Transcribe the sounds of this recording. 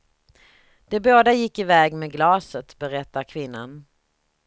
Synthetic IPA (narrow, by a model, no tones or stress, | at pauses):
d̪̥ɛboːd̪ajɪkːɪvɛːɡmeːɡlɑːsət̪bɛɾɛt̪ːaɾkʰvɪnːa̰n